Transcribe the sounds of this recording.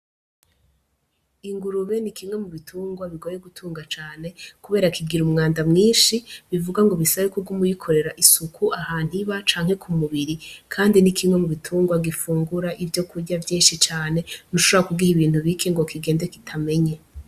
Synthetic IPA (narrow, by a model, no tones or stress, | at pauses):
iŋɡuɾuβe̞nikimwe̞muβitʰuːŋɡwaβiɡo̞jeɡutʰuːŋɡat͡ʃaːne̞kuβe̞ːɾakʰiɡiɾumŋaːndamŋiːnʃiβivuɡaŋɡo̞βisaβekuɡumujikʰo̞ɾe̞ɾaʔisukʰuʔahaːn̥hiβat͡ʃaːŋ̥he̞kʰumuβiɾikʰaːndinikʰimŋwe̞muβitʰuːŋɡwaɡifuːŋɡuɾaʔivjo̞kʰuɾɟavjiːnʃit͡ʃaːne̞n̥uʃoβoɾakuɡihiβiːn̥uβikʰeŋɡo̞kʰiɡe̞ːndeki̥tʰame̞ɲe